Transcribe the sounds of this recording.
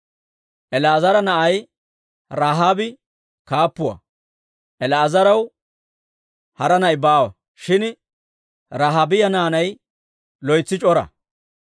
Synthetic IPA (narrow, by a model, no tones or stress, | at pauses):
ʔɛlɐːzɐɾɐnɐʔɐj | ɾaːɦaːbɪ | kaːpːʊwɐ̰ | ʔɛlɐːzɐɾɐw | hɐɾɐnɐjbaːwɐ̰ | ʃɪn | ɾaːɦaːbɪjɐnaːnɐj | lɔjt͡sːɪt͡ʃʼɔɾɐ̰